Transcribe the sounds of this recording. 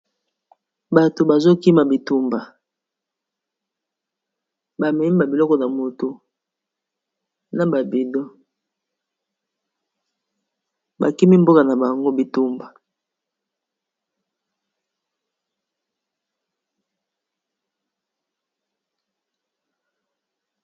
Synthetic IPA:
ba˨to˨ba˨zo˦ki˦ma˨bi˨tu˦mba˨ | ba˨mɛ˨mi˦ba˨bi˨lɔ˦kɔ˨na˨mo˨to˨ | na˨ba˨bi˨dɔ˦ | ba̰˨ki˦mi˦m˦bo˦ka˨na˨ba˨ŋɡo˦bi˨tu˦mba˨

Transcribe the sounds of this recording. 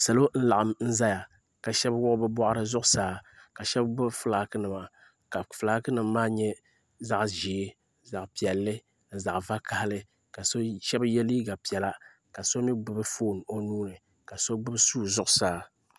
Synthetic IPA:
sa˨lo˦n̩˦la˨ʔa˨mn̩˦za˦ja˨ | ka˨ʃɛ˦bwʊ˦ʔbɨ˦bɔ˦ʔa˦ɾɨ˦zʊ˦ʔʊ˦saː˨˦ka˨ʃɛ˦bɡ͡bɨ˦bfɨ˦laː˨kɨ˦nɨ˨ma˨ | ka˨fɨ˨laː˨˦kɨ˦nɨ˨mː˦aː˦ɲɛ˦ | za˦ʔʒi˨˦ | za˨ʔpi˨ɛ˨lːɨ˦ | n̩˨za˨ʔva˦ka˨hlɨ˦ | ka˨so˦ʃɛ˦bjɛ˦liː˦ɡa˨pi˨ɛ˨la˦ | ka˨so˦mi˦ɡ͡bɨ˦bɨ˦fo˦˨n˨o˨nuː˦nɨ˨ | ka˨so˦ɡ͡bɨ˦bsuː˦zʊ˦ʔʊ˨saː˨˦

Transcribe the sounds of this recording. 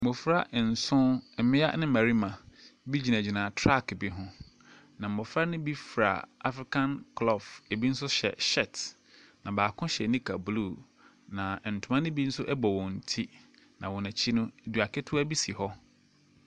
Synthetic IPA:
mʊ˨fɾa˦ʔn̩˨sʊ̃˦ɛ˨mɪ̃˦a̰˦nɪ̃˦mæ˨ɾi˦mã˨bi˦d͡ʑi˨næ˨d͡ʑi˨nãː˨tʰɾa˦˨kbi˦ɦʊ̃˦ | nã˨m̩˨mʊ˨fɾa˦nʊ̃˦bi˦fɾa̰˨a̰˨fɾɪ˦kʰã˦nkʰlɔ˦˨fe˨bi˦n̩˦sʊ˦ɕɛ̰˨ɕɛ˦˨t | nã˨baː˨kʰʊ̃˦ɕɛ˨nĩ˦kʰa˨blu˦˨ | nã˨n̩˨tʰʊ˨mã˦nʊ̃˦bi˦n̩˦sʊ˦ʔɛ˦bɔ˨wɔ̃˨n̩˨tʰi˦ | nã˨wɔ̃˨næ̃˨t͡ɕʰi˦nʊ̃˦˨du˨a˨kʰɛ˦tʰʊ˦æ˦bi˦si˨hɔ˦

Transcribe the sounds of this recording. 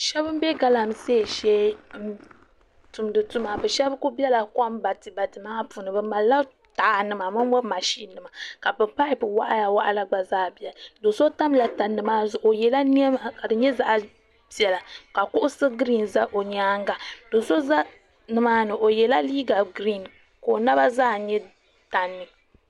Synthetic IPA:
ʃɛ˦bɨ˦m˦bɛ˦ɡa˦la˨m˨se˦˨ʃɛ˦m̩˦ | tu˨m˦dɨ˨tu˦ma˨bɨ˨ʃɛ˦bku˦bi˦ɛ˦la˨kʷa˦m˦ba˨tɨ˨ba˨tɨ˨maː˦pu˨nɨ˨bɨ˦ma˨lːa˦ | ta˨a˨nɨ˦ma˨mɨ˦m˦wɔ˦ma˨ʃi˦nːɨ˨ma˨ka˨bɨ˨pa˦ɾɪ˦bɨ˨wa̰˦ʔa˦ja˨wa˦˨ʔa˨la˦ɡ͡ba˨zaː˦bi˨˦ɛ˨do˨so˦ta˦m˦la˨ta˨nːɨ˨maː˦zʊ˨ʔo˨jɛ˨la˦ni˦ɛ˦ma˨ka˨dɨ˨ɲɛ˦za˨ʔa˨ | bi˦ɛ˨la˨ka˨kʊ˦ʔʊ˦sɨ˦ɡɾi˦˨nza˦ʔo˨ɲaː˦ŋ˦ɡa˨d̥o˨so˦za˦ | nɨ˨maː˦nɨ˨ʔo˨jɛ˨la˦liː˦ɡa˨ɡɾi˦˨n | ko˨na˦ba˦zaː˦˨ɲɛ˦ | ta˨nːɨ˨

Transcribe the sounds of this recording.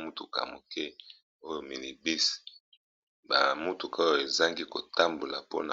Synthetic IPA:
mu˦tu˨ka̰˨mo˨kɛ˦ | o˦jo˨mi˨ni˨bi˦s | ba˨mu˦tu˨ka˨˦o˦jo˨e˨za˦ŋɡi˦ko˨ta˦mbo˨la˨po̰˦na̰˨

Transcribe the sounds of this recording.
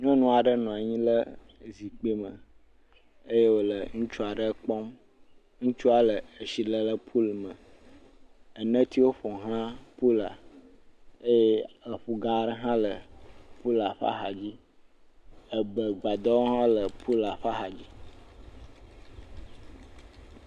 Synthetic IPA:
ɲɔ̃˦nũ˦a˨ɖə˦nɔ̃˨a˨ɲĩ˦lə˦ | zi˨k͡pe˦mə̃˨ | e˦je˦wo˦lə˨ŋũ˦t͡ʃu˦a˨ɖə˦k͡pɔ˦m | ŋũ˦t͡ʃu˦a˨lə˨ə˨ʃi˨lə˨lə˦pʰu˦lmə̃˨ | ə˨nə̃˦t̪i˦wo˦ɸɔ˨ɦl̃ã˦pu˦la̰˨ | e˦je˦ə˨ɸu˦ɡã˦ɖə˦ɦã˦lə˨pu˦la˨ɸa̰˦ɦa˨d͡ʑi˦ | ə˨bə˨ɡ͡ba˨d̪ɔ˦wo˦ɦã˦lə˨pʰu˦la˨ɸa˦xa˨d͡ʑi˦

